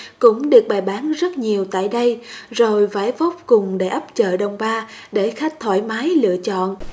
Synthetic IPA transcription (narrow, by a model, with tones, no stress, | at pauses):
kʊ̰˧˥ŋ͡mɗɨ˨˩ək̚ɓaː˨˩jɓaː˨˦nzə˦˥t̚ɲi˨˩əwt̪a̰ː˧˨jɗə˧jzo˨˩jvaː˧˦jvɔ˦˥wp̚kʊ˨˩ŋ͡mɗe˧˩ʔə˦˥p̚t͡ɕə̰ː˧˨ɗə˨˩wŋ͡mɓaː˧ɗe˧˩xa˦˥jk̚t̪ʰwa̰ː˧˩jmaː˨˦jlɨ̰˧˨ət͡ɕɔ̰˧˨nʔ